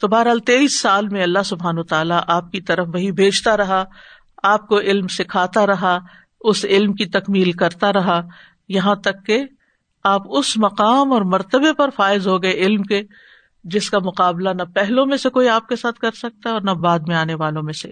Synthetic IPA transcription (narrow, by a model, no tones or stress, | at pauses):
t̪oːbaːɾɦalt̪eːiːsːaːlmẽɐlːaɦsʊbʱaːnːt̪aːlaʔaːp̚kit̪ɐɾəfʋɐɦibʱeːd͡ʒt̪aɾɐɦa | aːp̚koʔɪlmsɪkʰaːt̪aɾɐɦa | ʊsɪlmkit̪ɐkmiːlkɐɾt̪aɾɐɦa | jɐɦãt̪ɐkːe | aːpʊsmɐqaːmɔːɾmɐɾt̪əbepɐɾfaːɪzɦoɡɐeɪlmke | d͡ʒɪskamʊqaːblanɐpɛɦlõmẽsekoːiaːp̚kesaːt̪̚ʰkɐɾsɐk̚t̪aɦɛɔːɾnabaːd̪mẽaːneʋaːlõmẽsḛ